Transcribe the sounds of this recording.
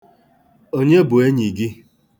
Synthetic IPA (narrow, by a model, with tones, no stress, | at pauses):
o˦ɲe˦bʊ˨e˦ɲi˨ɡi˦